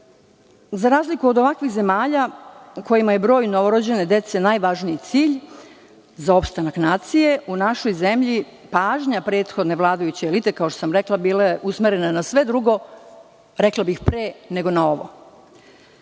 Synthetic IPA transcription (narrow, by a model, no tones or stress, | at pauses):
zaɾaːzlikuo̞d̪o̞ʋakʋixze̞maːʎako̞jimaje̞bɾo̞ːjnoʋoɾod͡ʑe̞ne̞d̪e̞t̪se̞najʋaʒniit̪siːʎ | zao̞pst̪anaknaːt̪sije̞unaʃo̞jze̞mʎi | paːʒɲapɾe̞ːt̪xo̞d̪ne̞ʋlˠaːd̪ajut͡ɕeːlit̪e̞kao̞ʃt̪os̬amɾeklˠabiːleusmeɾe̞nanasʋe̞d̪ɾuɡo̞ | ɾeklˠabixpɾeːne̞ɡo̞nao̞ʋo̰